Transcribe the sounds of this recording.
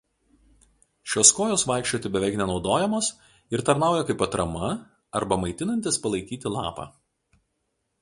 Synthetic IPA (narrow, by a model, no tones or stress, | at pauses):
ʃʲoːskoːjoːsʋɑˑɪkʃʲt͡ʃʲoːt̪ʲɪbʲɛʋʲɛɪknʲɛnɒʊd̪oːjɛmoːs | ɪɾt̪ɐɾnɑˑʊjɛkɐɪpɐt̪ɾɐmɐ | ɐɾbɐmɐɪt̪ʲɪnɐnʲt̪ʲɪspɐlˠɐɪkʲiːt̪ʲɪlˠɑ̰ːpɑ̰ː